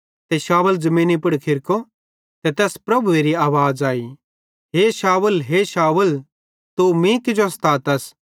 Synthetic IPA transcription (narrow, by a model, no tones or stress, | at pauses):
t̪ɛʃaːʋəld͡zɐmĩːnipʊɽkʰɪɾko | t̪ɛt̪ɛːspɾɐbʱueɾiaːʋaːd͡zaːi | ɦeʃaːʋəlɦeʃaːʋəl | t̪umĩkɪd͡ʒost̪aːt̪ɐs